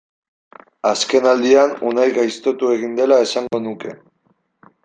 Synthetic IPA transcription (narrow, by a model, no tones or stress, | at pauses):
aske̞nald̪ianunajɣajst̪o̞t̪ue̞ɣ̞ind̪e̞lae̞saŋɡo̞nuke̞̰